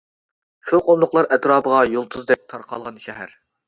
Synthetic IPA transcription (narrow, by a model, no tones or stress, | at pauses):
ʃuqʰomlˠʊqlˠɑɾʔɛt̪ɾɑːpəʁɑjolˠt̪ʰuzd̪ɛp̚t̪ʰɑɾqʰɑ̰lˠʁɑnʃɛɦæ̰ɾ